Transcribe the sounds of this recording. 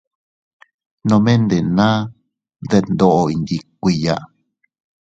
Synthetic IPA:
nõ˧mẽ˦nd̪e˨nã˦ | nd̪e˦˧nd̪o˦ʔo˧i˧nd̪i˧kʷi˧ja̰˧ʔ

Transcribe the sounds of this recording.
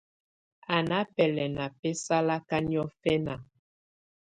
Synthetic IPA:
a˨na˨˦pɛ˨lɛ˨na˨pɛ˦sa˦la˦ka˦ni˦ɔ˦fɛ˦na˨

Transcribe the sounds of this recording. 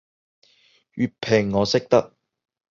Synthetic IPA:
ɥyː˨pʰːe˨˩ŋːɔː˨˧sɪ˥k̚t̪ɐ˥k̚

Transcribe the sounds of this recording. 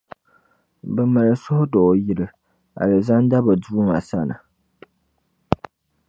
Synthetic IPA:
bɛ˨ma˨lɨ˨sʊ˦hʊ˦dɔ˨ji˨lɨ˨ | a̰˨lɨ˨za˦n˦da˦bɔ˨du˦ŋa˨sa˦na̰˨

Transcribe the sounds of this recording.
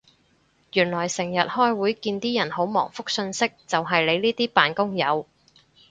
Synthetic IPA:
jyː˨˩nlɔː˨˩jsɪ˨˩ŋjɐ˨t̚hɔː˥jwuː˨˥jkiː˧nt̪iː˥jɐ˨˩nho˨˥wmɔ̰ː˨˩ŋfʊ˥k̚sɵ˧nsɪ˥k̚t͡sɐ˨wɦɐ˨jle˨˧jliː˥t̪iː˥paː˨nkʊ˥ŋjɐ̰˨˧w

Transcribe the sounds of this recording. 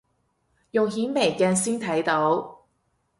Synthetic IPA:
jʊ˨ŋɦiː˨˥nme˨˩jkɛː˧nsiː˥nt̪ʰɐ˨˥jt̪o˨˥w

